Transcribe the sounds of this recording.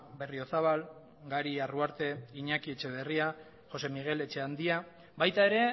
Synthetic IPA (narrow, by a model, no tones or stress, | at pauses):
be̞rio̞saβal | ɡaɾiaruaɾt̪e̞iɲakie̞t͡ʃe̞β̞e̞ria | χo̞se̞miɣ̞e̞le̞t͡ʃe̞and̪ia | bajt̪ae̞ɾe̞